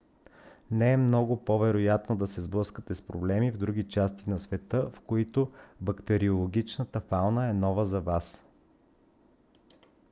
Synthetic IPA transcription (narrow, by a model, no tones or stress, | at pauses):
nɛɛmnɔɡʊpovɛɾojat̪nod̪ɐsɛzblˠɤskət̪ɛspɾoblɛmivd̪ɾuɡit͡ʃast̪inɐsvɛt̪ɤfkoit̪obɐkt̪ɛɾiolˠoɡ̟ʲit͡ʃnət̪əfalˠnəɛnɔvəzɐvas